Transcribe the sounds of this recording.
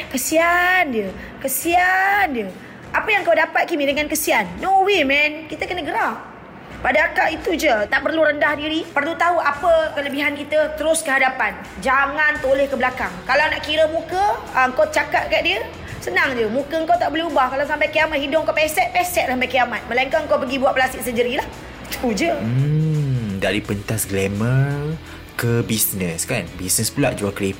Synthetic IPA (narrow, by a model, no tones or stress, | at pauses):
kəsiandiə | kəsiandə | ʔapəjaŋkawdapat̪̚kimidəŋankəsianːowimɛnkit̪əkənəɡəɾap̚ | padaakaʔit̪ud͡ʒət̪aʔpərluɾəndahdiɾipərlut̪aɦuapəkələbiɦankit̪ət̪əɾʊskəɦadapan | d͡ʒaŋant̪olɛhkəbəlakaŋkalawnaʔkiɾəmũkəəəŋ̩kot͡ʃakat̪̚kajt̪ʔ̚diə | sənaŋd͡ʒəmũkəəŋkawt̪aʔboleubahkalawsampajkiamaʔɦidʊŋkawpɛsɛt̪̚pɛsɛt̪̚lasampajkijamat̪̚məlaiŋkaŋkawpəɡibuwaʔ̚pəlasɪʔ̚səɲd͡ʒəɾilah | t͡ʃud͡ʒə | daɾipənt̪asɡlɛmə | kəbisnə̃skanbisnəspula̰ʔd͡ʒuaklep